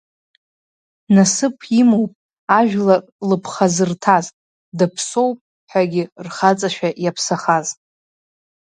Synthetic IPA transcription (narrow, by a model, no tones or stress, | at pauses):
nasɨpʰimowpʼ | aʒᶣlakʼlɨpʰχazɨrtʰazʼ | dɨpʰso̞wpʼ | ħʷaɡʲɪrχat͡sʼaʃᶣajapʰsaχaztʼ